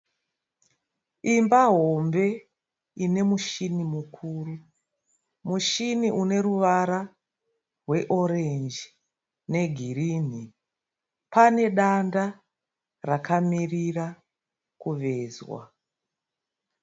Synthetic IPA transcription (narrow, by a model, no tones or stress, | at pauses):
imbaɦo̞mbe̞ | ine̞muʃinimukʰuːru | muʃiniʔune̞ɾuʋaɾa | rwe̞ʔo̞ɾend͡ʒi | ne̞ɡʱiriːni | pane̞ɗanda | rakʰamirira | kuʋe̞ːzwa̰